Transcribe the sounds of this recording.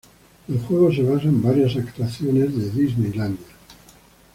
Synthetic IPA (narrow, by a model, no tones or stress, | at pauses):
elxwe̞ɣ̞oseβas̬aembaɾjasakt̪waθjonezðeðiznejland̪ja